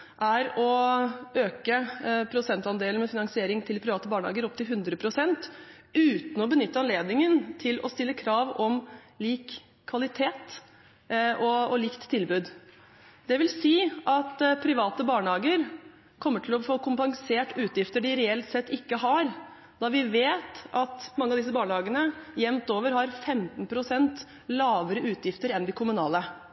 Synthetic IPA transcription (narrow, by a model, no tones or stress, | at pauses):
ʔæɾɔ | øːkəpʰɾʊsɛnt̪ɑnd̪eːlənmɛfɪnɑŋsɪeːɾɪŋt̪ʰɪlpʰɾɪʋɑːt̪əbɑːɳəhɑ̰ːɡəɾɔp̚t̪ɪlɦʉnd̪ɾəpʰɾʊsɛnt̪ | ʉːt̪n̩ɔbənʏt̪ːəɑnleːd̪nɪŋənt̪ʰɪlʔɔ̰st̪ɪlːəkʰɾɑːʋɔm | liːkʰː | ʋɑlɪt̪ʰeːt̪ | ɔɔliːkt̪ʰːɪlbʉːd̪ | d̪ɛʋɪlsiːʔɑt̪pʰɾɪʋɑːt̪əbɑːɳəhɑːɡəɾ | kʰɔmːəʈʰɪlɔfoːkʰʊmpɑŋseːʈːʉːt̪jɪft̪əɖɪɾɛɛlt̪sɛt̪ːɪkːəɦɑɾ | d̪̥ɑʋɪʋeːt̪ʔɑt̪mɑŋːəɑʋd̪ɪs̬əbɑːɳəhɑːɡənəjɛmt̪oːʋəɾhɑɾfɛmt̪npʰɾʊsɛnt̪ | lɑːʋəɾəʔʉːt̪jɪft̪əɾɛnd̪ɪkʰʊmʉnɑːlə